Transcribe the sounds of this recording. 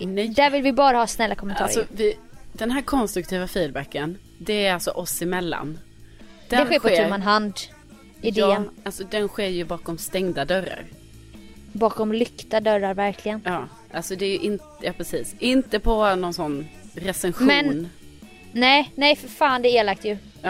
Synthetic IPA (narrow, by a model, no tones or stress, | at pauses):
nɛd̪æːɾvɪlvɪbɑːɾahɑːsnɛlːakʰɔmɛnʰɑ̰ːɾɔvɪd̪̥ɛnɦæːɾkʰɔnst̪ɾɵk̚t̪ʰiːvafiːd̪bækːən | d̪ɛæɾalsɔ̰ʔɔsɪmɛlːa̰n | d̪̥ɛd̪ɛɧeːɾɧɔeːmanɦand̪ | ɪd̪eːnalsɔd̪ɛnɧeːɾjɵbɑːkɔmst̪ɛŋd̪ad̪œɾa̰ɾ | bɑːkɔmlʏkt̪ad̪œɾːaɾvæɾkʰlɪɡənjɑː | ʔalsɔd̪ɛːɾjɵʔɪnt̪ | jɑːpʰɾɛsiːsʔɪnt̪əpʰɔnɔnsɔnːɾɛsɛnɧmɛnn | nɛjnɛjffaːnd̪ɛeːlak̚t̪jɵː